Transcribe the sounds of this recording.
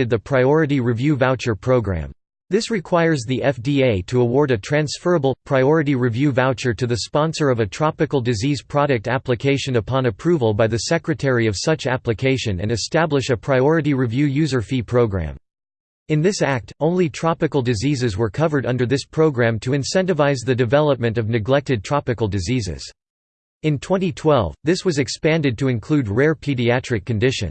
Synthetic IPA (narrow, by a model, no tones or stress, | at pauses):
ɨd̪̚ðɨpʰɹ̥aɪɔɹɨɾiɹɨvjʉvaʊt͡ʃə˞pʰɹ̥oʊɡɹæ̰̃m | ðɪsɹɨkʰw̥aɪə˞zðiʔɛfdieɪɾɨəwɔɹɾɨtʰɹ̥æ̃nsfɜ˞əbl̩ˠpʰɹ̥aɪɔɹɨɾiɹivjʉvaʊt͡ʃə˞ɾɨðɨspɑ̃nsə˞ʌvɨtʰɹ̥ɑpɨkl̩ˠdɨziz̥pʰɹ̥ɑɾɨk̚tæplɨkʰeɪʃɨ̃nɨpʰɑ̃nɨpʰɹ̥uvəl̩ˠbaɪðɨsɛkɹɨtʰɛɹiʌv̥sʌt͡ʃæplɨkʰeɪʃɨ̃nɨ̰̃nɨstæblɨʃɨpʰɹ̥aɪɔɹɨɾiɹɨvjʉjʉzə˞fipʰɹ̥oʊɡɹæ̰̃m | ɨ̃nðɪsæk̚tʰõʊ̃nlitʰɹ̥ɑpɨkl̩ˠdɨzizɨzwə˞kʰʌvə˞ɾʌ̃ndə˞ðɪspʰɹ̥oʊɡɹæ̃mtʰɨɨ̃nsɛ̃ntɨvaɪzðɨdɨvɛlˠəp̚mɨ̃ntʌvnɨɡlɛk̚tɨd̚tʰɹ̥ɑpɨkl̩ˠdɨzizɪ̰z̥ | ɨ̃ntʰw̥ɛ̃ñitʰw̥ɛlˠvðɪswʌzɨkspæ̃ndɨd̚tʰɨɨ̃nkʰl̥ʉd̚ɹɛɹpʰiɾiæt͡ʃɹ̥ɨkʰːɨ̃ndɪʃɨ̰̃n